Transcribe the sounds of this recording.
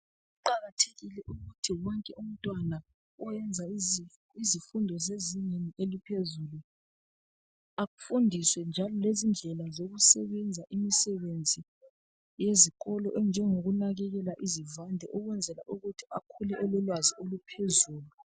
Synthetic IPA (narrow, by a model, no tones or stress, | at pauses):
uǃaɣatʰe̥ɣilɛʔuɣutʰiwɔŋkʼɛum̩tʼwana | ɔjɛnd͡zʱa | izifundʱɔzeziɲenielipʰezulu | aɣufundʱiswɛnd͡ʒʱalɔlezind͡ɮʱɛlazoɣusɛ̰βɛnd͡zʱaʔimisɛβend͡zʱi | jeziɣɔlɔʔɛnd͡ʒʱɛŋoɣunaɣɛɣɛlaʔizivandʱɛʔɔɣwɛnd͡zʱɛla̰ʔuɣutʰi̥akʰulɛʔɔlɔlwaziolupʰezuːlu